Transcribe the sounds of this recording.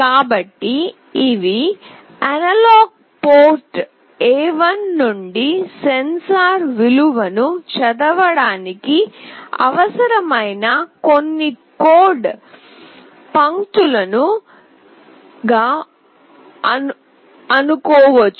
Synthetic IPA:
kaːbɐʈːiː | ʋi | ɐnɐlaːɡ̚ | poːɾʈ | ɛːʋɐnːuɳɖisensaːɾʋiluʋɐnut͡ʃɐd̪ɐʋɐɽaːnikiɐ̰ʋɐsɐɾɐmɐjnɐko̞nːikoːɖ | pɐŋt̪ulɐnu | ɡaː | ɐ | ɐnukɔːʋɐt͡ʃː

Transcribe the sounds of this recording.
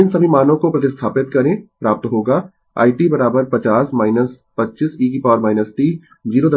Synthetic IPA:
ɪnsɐmimaːnõkopɾɐt̪ɪst̪ʰaːpɪt̪̚kɐɾẽpɾaːp̚t̪ɦoːɡaː | a̰ːɪʈibɐɾaːbəɾpɐt͡ʃaːsmaːɪnəs | pɐtːt͡ʃisiːkipɔːɾmaːɪnəsʈiː | d͡ʒiːɾod̪

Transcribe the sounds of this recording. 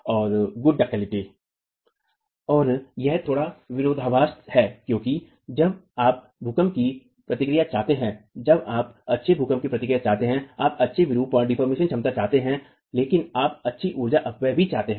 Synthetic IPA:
ɔːɾɡʊɖːɐkɛːlɪʈi | ɔːɾjɛɦt̪ʰoːɽaʋɪɾoːd̪ʱaʋaːst̪hɛːkjõːki | d͡ʒɐbaːp̚ | bʱʊkəmki | pɾɐt̪ɪkɾijat͡ʃaːɦt̪eɦɛ̃d͡ʒɐbaːpɐtːʃʰebʱʊkəmkipɾɐt̪ɪkɾijat͡ʃaːɦt̪eɦɛ̃aːpɐtːʃʰeʋɪɾuːpəɖɪfəɾmeːʃənt͡ʃʰɐ̃mt̪at͡ʃaːɦt̪eɦɛ̃ | leːkɪnaːpɐtːʃʰiʔuːɾd͡ʒaʔɐpʋebʱit͡ʃaːɦt̪eɦɛ̃

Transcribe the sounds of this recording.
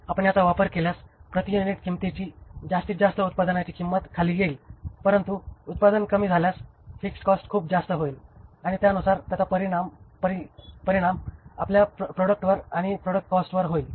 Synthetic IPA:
apəɳjat̪aʋapəɾkeljaspɾət̪ijuniʈkimt̪it͡ɕiːd͡zast̪iːd͡zast̪əut̪̚pad̪ənat͡ɕiːkimːət̪kʰaliːɡeilpəɾənt̪uːt̪̚pad̪ənkəmiːd͡zʱaljasfikskɔsʈkʰuːpd͡zast̪əɦoiːlaɽ̃it̪jaənusaɾt̪jat̪apəɾiɽampəɾipəɾiɽ̃ama̰pljapɾoɽək̚ʈʋəɾaɽ̃ipɾoɽək̚ʈ̚kɔsʈʋəɾɦoil

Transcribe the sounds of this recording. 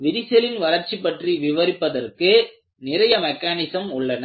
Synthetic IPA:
ʋɪɾɪsɛlɪnʋɐlɐɾt͡ʃipːɐʈriʋɪʋɐɾɪpːɐðɐrkɯ | nɪrɐjɐmɛkːaːnɪsɐmʊɭːɐnɐ

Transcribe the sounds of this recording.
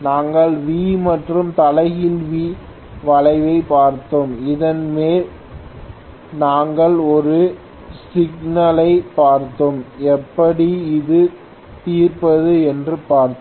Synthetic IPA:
naːŋɡɐɭʋiːmɐʈrɯmt̪ɐlɐɪɣɪlʋi | ʋɐɻɐɪʋɐɪpaːɾt̪ɯmɪðɐnmeːl | naːŋɡɐɭɔɾɯ | sɪɡnɐlɐɪpːaːɾt̪ːɯmɛpːɐɽiɪðɯ | t̪iːrpɐðɯɛndrɯpaːɾt̪

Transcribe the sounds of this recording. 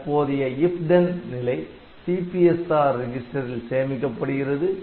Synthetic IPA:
pːoːðɪjɐɪfɖɐnnɪlɐɪ | siːpiɛsaːɾɪd͡ʒɪsʈɐɾɪlseːɐmɪkːɐpːɐɽɯɣɪrɐðɯ

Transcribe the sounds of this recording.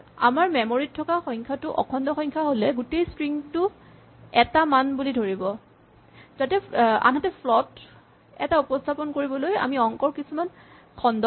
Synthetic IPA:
a̰maɹmɛmoɹitʰːɔkaxɔjŋkʰatʊʔɔ̰kʰɔndɔxɔjɲkʰaɦolɛɡutejspɹiŋtʊ | ɛtamanbulidʱoɹibɔ | z̥atɛa̰nɦɔtɛpʰlɔt | ɛtaupɔstʰapɔnkoɹibɔloja̰miɔŋkɔɹkisuman | kʰɔndɔ

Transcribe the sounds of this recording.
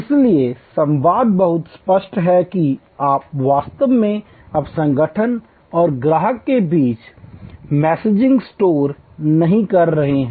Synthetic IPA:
ɪsliesɐ̃mʋaːd̪̚bɐɦʊt̪spəʃʈɦɛki | aːpʋaːst̪əʋmẽ | ɐbsɐ̃ŋɡəʈʰən | ɔːɾɡɾaːɦəkːebiːt͡ʃ | mɛːseːd͡ʒɪ̃ŋɡsʈoːɾ | nɐɦĩkɐɾːɐɦeɦɛ̃

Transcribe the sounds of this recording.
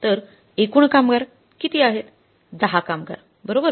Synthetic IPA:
t̪əɾ | ekuːɳkamɡaɾ | kit̪iaɦet̪ | d͡zaɦakamɡa̰ɾ | bəɾobə

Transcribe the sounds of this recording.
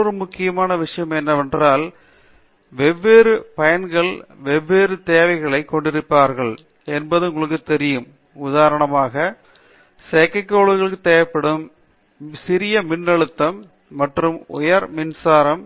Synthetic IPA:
ɾɯmʊkːɪjɐmaːnɐʋɪʂɐjɐmɛnːɐʋɛndraːl | ʋɛʋːeːɾɯpɐjɐnɡɐɭʋɛʋːeːɾɯt̪eːʋɐɪɣɐɭɐɪkːɔɳɖɪɾɯpːaːɾɣɐɭ | ɛnbɐðɯʊŋɡɐɭɯkːɯt̪ɛɾɪjɯm | ʊðaːɾɐɳɐmaːɣɐ | seːkːɐkːoːɭɯɣɐɭɯkːɯt̪eːɐpːɐɽɯm | sɪɾɪjɐmɪnːɐɻɯt̪ːɐmː | ɐʈrɯmʊ̰jɐɾmɪnsaːɾɐm

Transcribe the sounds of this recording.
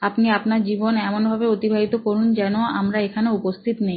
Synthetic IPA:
apniapnaɾd͡ʑibonɛmonbʱabeot̪ibʱaɦit̪okoɾund͡ʑɛnoa̰mɾaekʰaneupost̪ʰit̪nej

